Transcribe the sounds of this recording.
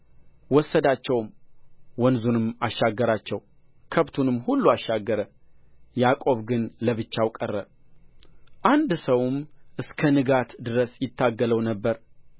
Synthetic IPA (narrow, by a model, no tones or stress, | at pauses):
wɔsːəd̪at͡ʃːɛwmwɔnzunɨmaʃːaɡːəɾat͡ʃːɛw | kʰəβt̪ʰunɨmːhulːuaʃːaɡːəɾə | jakʼo̞βɡɨnləβɨt͡ʃːawkʼərːə | ʔand̪səwmʔɨskʰənɨɡat̪d̪ɨɾəsjɪt̪ʰːaɡːələwnəbːəɾ